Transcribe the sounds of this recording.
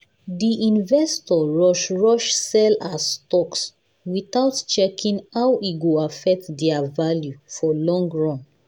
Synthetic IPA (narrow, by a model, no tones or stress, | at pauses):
diʔĩnvɛstɔɹɔʃɹɔʃsɛlastɔks | wiθawtt͡ʃɛkʰĩŋhawiɡoafɛk̚tdɛavaljufɔlɔ̃ŋɡɹɔ̃n